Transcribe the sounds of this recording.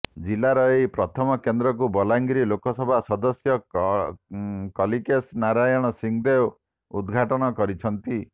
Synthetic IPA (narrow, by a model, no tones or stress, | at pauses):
d͡ʒilaɾɔejpɾɔt̪ʰɔmɔkend̪ɾɔk̬ubɔlaŋɡiɾilokɔsɔbʱasɔd̪ɔsjɔ | kɔlikesnaɾajɔɽ̃ɔsiŋd̪ew | ṵd̪ɡʱaʈɔɽ̃ɔkɔɾit͡ʃʰɔnt̪i